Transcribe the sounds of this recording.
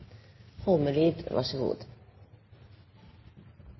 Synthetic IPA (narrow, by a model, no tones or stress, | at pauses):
hoːməliːd̪va̰ʂəɡṵːd̪